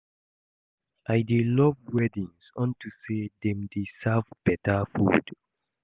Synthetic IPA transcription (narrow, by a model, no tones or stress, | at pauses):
ʔajdelɔvwɛdĩŋsɔ̃ntusedɛ̃mdesavb̥ɛtafṵd̥